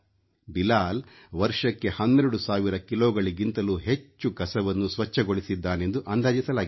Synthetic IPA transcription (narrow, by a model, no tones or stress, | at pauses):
bilaːl | ʋɐɾʂɐkːe̞hɐnːeɾuɽusaːʋiɾɐkilɔːɡɐɭiɡint̪ɐluːɦe̞t͡ʃːukɐsɐʋɐnːusʋɐt͡ʃːɐɡoɭisid̪ːaːnend̪uʔɐːnd̪aːd͡ʒisɐlaːɡ